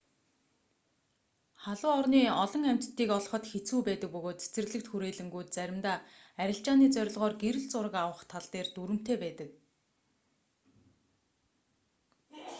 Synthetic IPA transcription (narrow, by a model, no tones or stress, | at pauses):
χaɮʊːɔrniːɔɮɞ̆ŋæm̥t̪t̪ːiːkɔɮ̆χɞ̆t̪xet͡suːpæːt̪ə̆k̚pɵɣoːt̪t͡se̥t͡sɘ̆rɣɮɘ̆k̚t̪xuɾeːɮɘ̆ŋɡujt̪̚t͡sæɾʲɪ̆mt̪aː | æɾʲɪ̆ɬt͡ɕaːniːt͡sœɾʲɪ̆ɮʁɔːrɡeɾɘ̆ɮt͡sʊɾə̆kawə̆χt̪ʰaɮt̪eːrt̪uɾɘ̆m̥t̪eːpæːt̪ə̆k̚